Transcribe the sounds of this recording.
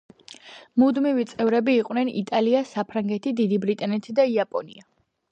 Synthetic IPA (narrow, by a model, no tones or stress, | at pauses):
mud̪mivit̪sʼɛvɾɛbiːqʼwnɛnḭt̪ʼaliasapʰɾaŋɡɛt̪ʰid̪id̪ibɾit̪ʼanɛt̪ʰid̪aiapʼɔnḭa